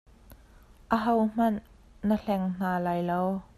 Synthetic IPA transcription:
ʔəɦowm̥ɐnː | əɬɛŋn̥aːlaːjlow

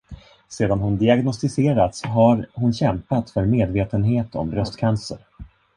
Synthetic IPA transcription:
seːd̪anɦʊnd̪ɪaɡnɔst̪ɪseːɾat̪sɦaɾhʊnɕɛmpat̪fœɾmeːd̪veːt̪ənɦeːt̪ʰɔ̰mbɾœst̪kʰansəɾ

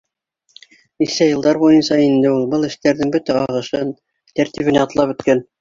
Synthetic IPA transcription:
nisæjɤ̆lˠd̪ɑɾβujɤnsɑind̪ɘulˠbɤlˠɘ̆ʃt̪æɾðɘŋbɵt̪æɑʁɤ̆ʃɤn | t̪æɾt̪iβɘ̆næɑt̪lˠɑpɵ̆t̪kæn

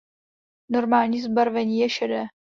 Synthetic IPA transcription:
no̞ɾmaːlɲiːzbaɾvɛɲiːjɛʃɛdɛː

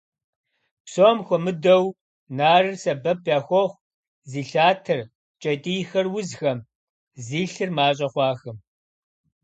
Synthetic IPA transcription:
psoːmxʷɔmɨdɐw | naːrɨrsɐbɐp̚ʰjaːxʷɔχʷ | ziːɬaːtʰɨr | t͡ʃʼɐtʼiːjxɐrwʊzxɐm | ziːɬɨrmaːɕ̬ʼɐχʷɑːxɨm

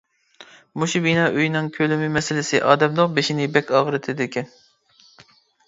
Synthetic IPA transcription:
muʃubinɑːʔøjnɨŋkʲʰølɪmɪmɛsɪlɪsɪʔɑːd̪ɛmd̪oqbeʃinɪbɛkʲɑːʁəɾɨt̪ʰɪd̪ɪkʲʰɛn

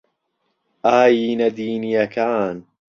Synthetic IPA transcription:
ʔaːjiːnad̪iːnijakaːn

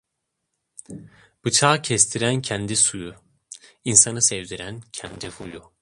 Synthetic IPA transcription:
b̥ɯt͡ʃʰaːcʰɛst̪ʰiɾæncʰænd̪isuju | insanɯsɛvd̪iɾæncʰɛnd̪ifuju

